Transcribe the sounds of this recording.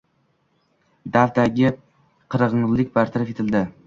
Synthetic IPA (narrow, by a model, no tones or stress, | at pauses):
d̪alt̪aɡʲɪ | qʰɨɾɨʁɨɴzlɪk̚ʲbaɾt̪ʰaɾafet̪ʰɪld̪ɪ